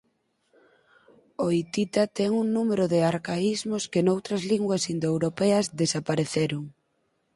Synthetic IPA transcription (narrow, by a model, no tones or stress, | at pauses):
oit̪it̪at̪ɛŋuŋnumeɾʊðɪaɾkaizmʊskenowt̪ɾɐzliŋɡwɐsind̪oewɾopɛɐzðesapaɾeθeɾʊŋ